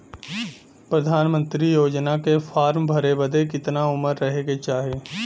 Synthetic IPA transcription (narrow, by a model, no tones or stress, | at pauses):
pɾəd̪ʱaːnmə̃nt̪ɾijoːd͡ʒnakefʰaːɾmbʱɐɾebəd̪ekɪt̪naʊməɾːɐɦeɡet͡ʃaːɦieː